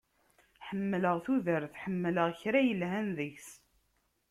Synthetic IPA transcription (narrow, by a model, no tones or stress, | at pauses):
ħəmːləʁθuðəɾθħəmːləʁçɾæjəlɦænðəçs